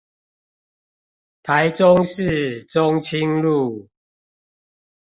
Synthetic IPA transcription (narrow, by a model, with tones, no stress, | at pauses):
t̪ʰa˨˦ɪt͡sʊ˦ŋʂɻ̩˥˨ʈ͡ʂʊ˦ŋt͡ɕʰi˦ŋlu˥˨